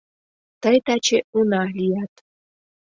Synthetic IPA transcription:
t̪əjt̪ɑt͡ɕeunɑlijɑt̪

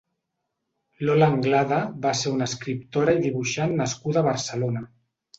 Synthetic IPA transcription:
lolaːŋɡlaðəβaseɾunəskɾip̚t̪oɾaiðiβuʃanːəskuðaːβ̞əɾsəlonə

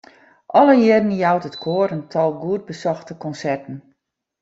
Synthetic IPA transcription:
ʔɔləjɪdn̩jawtətkʰoːɾəntʰɔlˠɡuətd̚bəsɔxtəkɔnsɛrtən̩

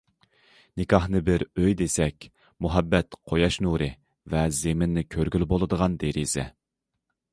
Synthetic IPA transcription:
nɪkʰɑhnɨbɪɾøjd̪esɛkʲ | muɦɛbːɛt̪qʰojɑʃnuɾɨ | vɛzemɪnːɪkʲʰøɾɡʲylbolˠɨd̪əʁɑnd̪eɾizɛ̰

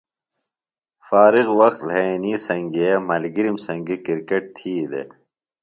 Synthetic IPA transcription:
faːɾiɣwɐqt̪leniːsɐŋɡemɐlɡiɾimsɐŋɡikiɾkeʈ̚t̪ʰiːd̪ḛ

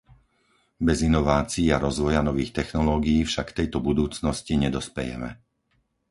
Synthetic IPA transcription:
bɛzinɔʋaːt͡siːaɾɔzʋɔjanɔʋiːxt̪ɛxnɔlɔːɡijːfʃakt̪ɛjt̪ɔbud̪uːt͡snɔsciɲɛd̪ɔspɛjɛ̰mɛ̰

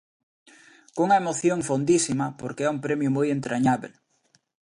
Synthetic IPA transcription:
koŋɐemoθjoŋfond̪isimɐpoɾkeɛuŋpɾemjʊmojent̪ɾʔaɲaβḛl

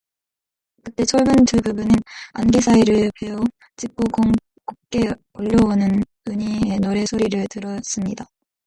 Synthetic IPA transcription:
kɯt̚t͈e̞t͡ɕʰoɭbɯntɯbubunɯna̰nɡisʰaiɾɯɭpe̞o | t͡ɕ͈ik͈oɡoŋ | kuk͈e̞ | ʌʎːʌonɯn | ɯɲie̞noɾe̞sʰoɾiɾɯɭtɯɾʌs͈ɯmɲida

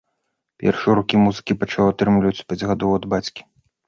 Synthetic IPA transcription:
pʲɛ̰rʂɨɛɾukʲimuzɨ̥kʲipɐt͡ʂaat̪ɾɨmlʲivɐt͡sʲpʲad͡zʲɣad̪ɔwɐd̪bat͡sʲkʲi̥

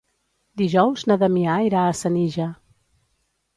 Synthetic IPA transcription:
d̪iʒɔwznəðəmiaiɾaəsəniʒa

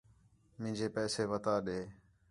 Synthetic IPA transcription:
mɪ̃ːd͡ʒeːpɛːseːʋət̪aːɗeː

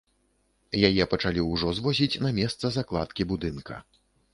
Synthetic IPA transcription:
jajɛpɐt͡ʂalʲiwʐɔzvɔzʲit͡sʲnɐmʲɛst̪sɐzaklˠat̪kʲibud̪ɨnkʰɐ̰

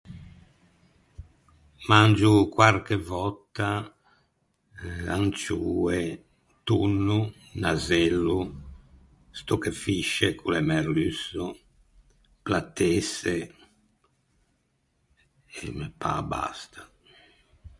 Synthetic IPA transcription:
mand͡ʒukwaɾkɛvɔt̪ːa | ant͡ʃuːɛ | t̪unːu | nazɛlːu | st̪ɔkɛfiʃːɛkʰulɛmɛɾlysːɔ | plat̪ːɛsɛ | ɛmɛpa̰ba̰st̪ʰḁ

